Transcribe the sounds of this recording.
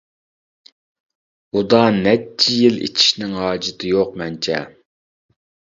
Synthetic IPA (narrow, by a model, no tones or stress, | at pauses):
ud̪ɑnɛt͡ʃʰːijilḛt͡ʃʰi̥ʃnɪŋɦɑːd͡ʒɪt̪ʰɨjoq̚mɛnt͡ʃʰɛ̰